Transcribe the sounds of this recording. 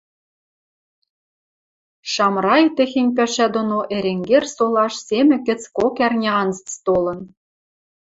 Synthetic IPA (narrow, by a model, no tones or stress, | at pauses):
ʃɑmrɑjt̪ɘ̆xĕnʲpæʃæd̪ŏnoʔeɾeŋɡersolˠɑʃsemʲɘ̆kɘ̆t͡skokærnʲeɑnzət͡st̪olɤ̆n